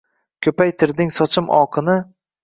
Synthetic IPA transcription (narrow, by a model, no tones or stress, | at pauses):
kʲʰɵpajt̪ʰɪɾd̪ɪŋsɒt͡ʃʰɪmʔɒ̰qʰɨnɪ